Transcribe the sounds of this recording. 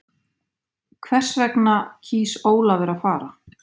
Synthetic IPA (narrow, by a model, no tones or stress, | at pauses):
kʰvɛr̥svɛknacʰiːsoːwlavɛɾafaːɾa